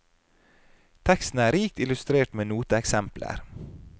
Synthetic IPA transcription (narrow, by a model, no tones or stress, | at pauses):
t̪ʰɛkst̪n̩əæːɾiːk̚t̪ɪlʉst̪ɾeːʈmeːnuːt̪əɛksɛmplə̰ɾ